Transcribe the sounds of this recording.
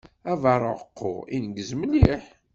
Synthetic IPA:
ævɑɾˤəʁəqːʊ̰ḭnəɡəzmliħ

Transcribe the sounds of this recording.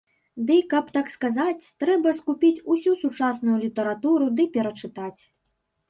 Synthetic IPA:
d̪ɨkɐpt̪akskazat͡sʲt̪ɾɛbɐskupʲit͡sʲusʲusut͡ʂasnujulʲit̪ɐɾat̪uɾud̪ɨpʲɛɾɐt͡ʂɨt̪at͡sʲ

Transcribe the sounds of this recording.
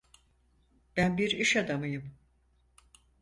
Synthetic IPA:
b̥ænbiɾiʃad̪amɯjɯm

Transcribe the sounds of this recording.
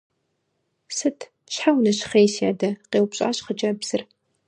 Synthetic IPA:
sɨtʰ | ɕħawnɐɕχeːsiadɐqeːwpɕʼa̰ːɕχət͡ʃʼɐbz̥ɨr

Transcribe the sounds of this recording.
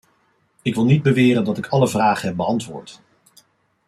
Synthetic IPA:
ɪkʋɪlˠnid̚bəʋɪːɾəndɑtɪkʰɑləvraːχənɦɛp̚bəɑntʋʊ̰ːɹt

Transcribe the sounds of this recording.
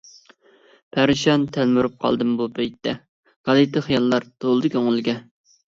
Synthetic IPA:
pʰæɾɪʃɑnt̪ʰælmyɾup̚qʰɑ̰lˠd̪ɨmbupʰɛjt̪ʰːɛ | ɡ̥ɑlɨt̪ɨχijɑlˠːɑɾd̪̥olˠd̪ɨkʲʰøŋɨlɡʲɛ

